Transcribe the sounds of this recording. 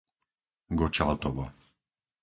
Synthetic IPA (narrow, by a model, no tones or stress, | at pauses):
ɡɔt͡ʃalt̪ɔvɔ